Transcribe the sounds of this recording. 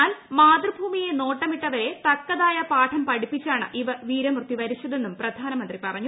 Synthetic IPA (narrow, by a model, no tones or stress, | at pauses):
aːlmaːd̪rɨbʱuːmije̞no̞ːʈːɐmiʈːɐʋɐɾe̞t̪ɐkːɐðaːjɐpaːʈʰɐmpɐɽipːit͡ɕːaːɳɨ̰ʔiʋɐʋiːɾɐmrt̪ːiʋɐɾit͡ɕːɐðe̞nːumprɐd̪ʱaːnɐmɐnd̪ripɐrɐɲːu